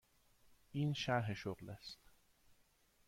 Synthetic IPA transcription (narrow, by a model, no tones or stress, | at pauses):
ʔiːnʃæɾɦeʃoɣlæst̪